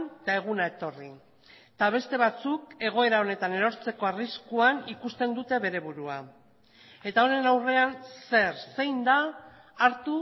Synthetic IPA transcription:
nt̪ae̞ɣ̞unae̞t̪o̞ri | t̪aβ̞e̞st̪e̞β̞at͡suke̞ɣ̞o̞e̞ɾao̞ne̞t̪ane̞ɾo̞ɾt͡se̞ko̞ariskuanikust̪e̞nd̪ut̪e̞βe̞ɾe̞βuɾua̰ | e̞t̪ao̞ne̞nawre̞anse̞ɾse̞jnd̪aː | ɾt̪u

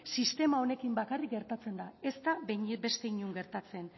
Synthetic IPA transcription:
sist̪e̞mao̞ne̞kimbakarik̚ɡe̞ɾt̪at͡se̞nd̪ae̞st̪abe̞st̪e̞iɲuŋɡe̞ɾt̪at͡se̞n

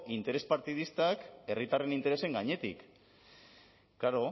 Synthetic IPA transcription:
int̪e̞ɾe̞spaɾt̪ið̞ist̪ake̞rit̪are̞nint̪e̞ɾe̞se̞ŋɡaɲe̞t̪ḭk | kːaɾo̞

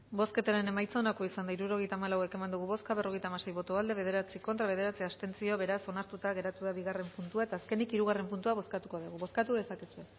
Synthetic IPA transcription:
bo̞ske̞t̪aɾe̞ne̞majt͡saonakoisand̪aiɾuɾo̞ɣ̞e̞jt̪aːmalawe̞ke̞mand̪uɣuβo̞skaβ̞e̞ro̞ɣ̞e̞jt̪amase̞jβo̞t̪oald̪e̞βe̞ð̞e̞ɾat͡siko̞nt̪ɾaβe̞ð̞e̞ɾat͡siast̪e̞nt͡sio̞βe̞ɾaso̞naɾt̪ut̪aɣe̞ɾat̪uðaβiɣ̞are̞mpunt̪uae̞t̪aːske̞nikiɾuɣ̞are̞mpunt̪uaβo̞skat̪uko̞ðuɣ̞uβo̞skat̪uðe̞sakisue̞

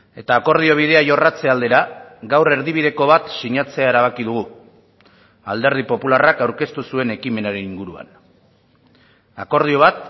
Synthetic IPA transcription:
e̞t̪aːko̞ɾð̞io̞β̞ið̞e̞aʝo̞rat͡se̞ald̪e̞ɾaɡawre̞ɾðiβiðe̞ko̞βat̪siɲat͡se̞ae̞ɾaβ̞akið̞uɣ̞u | ald̪e̞ɾð̞ipo̞pularakawɾke̞st̪usue̞ne̞kime̞naɾe̞niŋɡuɾua̰n | ako̞ɾð̞io̞β̞at̪

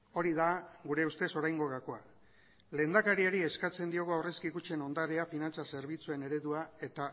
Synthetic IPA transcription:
o̞ɾiðaɡuɾe̞ust̪e̞so̞ɾajŋɡo̞ɣako̞a | le̞ːnd̪akaɾiaɾie̞skat͡se̞nd̪io̞ɣoawre̞skikut͡ʃe̞no̞nd̪aɾeafinant͡sase̞ɾβ̞it͡sue̞ne̞ɾe̞ðuae̞t̪a

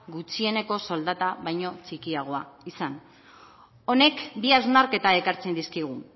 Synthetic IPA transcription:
ɡut͡sie̞ne̞ko̞so̞ld̪at̪aβajɲo̞t͡sikiaɣ̞o̞aisan | o̞ne̞kbiazmaɾke̞t̪aekaɾt͡se̞nd̪iskiɣ̞u

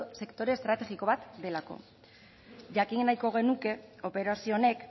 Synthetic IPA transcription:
se̞kt̪o̞ɾe̞ːst̪ɾat̪e̞ɣiko̞βat̪d̪e̞lako̞̰ | ʝakiŋnajko̞ɣ̞e̞nuke̞ope̞ɾasio̞ne̞k

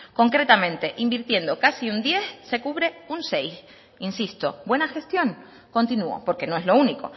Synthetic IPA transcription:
ko̞ŋkɾe̞t̪amẽ̞nt̪e̞ʔimbiɾt̪je̞nd̪o̞kasiund̪je̞sse̞kuβ̞ɾe̞unse̞js | insist̪o̞bwe̞naxe̞st̪jo̞ŋ | ko̞nt̪inuo̰po̞ɾke̞noe̞zlo̞uniko̞̰

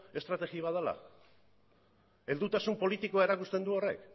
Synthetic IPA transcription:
e̞st̪ɾat̪e̞ɣiβaðala̰ | eld̪ut̪asumpo̞lit̪ikoaeɾakust̪e̞nd̪uo̞re̞̰k

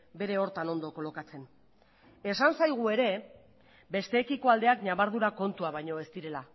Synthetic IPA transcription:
be̞ɾe̞o̞ɾt̪ano̞nd̪o̞ko̞lo̞kat͡se̞n | e̞sansajɣ̞ue̞ɾe̞ | be̞st̪e̞ːkiko̞ald̪e̞akɲaβaɾð̞uɾako̞nt̪uaβ̞ajɲo̞e̞st̪iɾe̞la

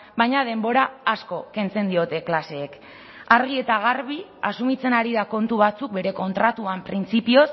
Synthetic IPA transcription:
bajɲað̞e̞mbo̞ɾaːsko̞ke̞nt͡se̞nd̪io̞t̪e̞klase̞ːk | aɾɣie̞t̪aɣ̞aɾβia̰sumit͡se̞naɾiðako̞nt̪uβ̞at͡suk̚be̞ɾe̞ko̞nt̪ɾat̪uampɾint͡sipio̞s

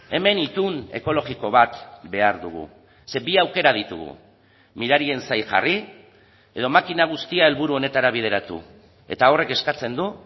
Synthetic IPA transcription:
e̞me̞nit̪une̞̰ko̞lo̞ɣiko̞β̞at̪be̞aɾðuɣ̞ṵ | se̞biawke̞ɾað̞it̪ṵɣṵ | miɾaɾie̞nsajʝa̰ri | e̞ð̞o̞makinaɣ̞ust̪iae̞lβuɾuo̞ne̞t̪aɾaβ̞ið̞e̞ɾat̪ṵ | e̞̰t̪ao̞re̞ke̞skat͡se̞nd̪u

